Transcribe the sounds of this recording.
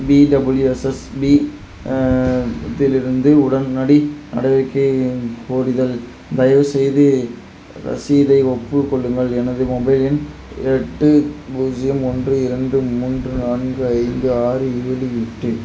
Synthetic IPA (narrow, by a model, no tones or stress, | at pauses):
biːɖɐbɪljuɛsɐsbi | t̪ɪlɪɾɯnd̪ɯʊɽɐnnɐɽinɐ̰ɽɐɪʋɐɾkːɐɪkʰuːɾɪðɐl | d̪ɐjɐʋɯsɛjðɯ | ɾɐ̰siðɐɪɔpːɯkːɔɭːɯŋɡɐɭɛnɐðɯmɔbɐɪlɪn | ɛʈːɯbuːd͡ʒɪjɐmɔndrɯɪɾɐɳɖɯmuːndrɯnaːnɡɯɐɪnd̪ɯaːɾɯeːliɪʈːɯ